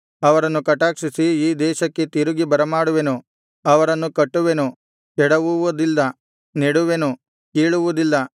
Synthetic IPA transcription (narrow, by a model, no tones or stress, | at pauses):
ɐʋɐɾɐnːukɐʈːaːkʂisiiːd̪ɛːʃɐkːe̞t̪iɾuɡibɐɾɐmaːɽuʋenu | ɐʋɐɾɐnːukɐʈːuʋenu | kɛɽɐʋuʋud̪ilːɐ | niɽuʋenu | keːɭuʋud̪ilːɐ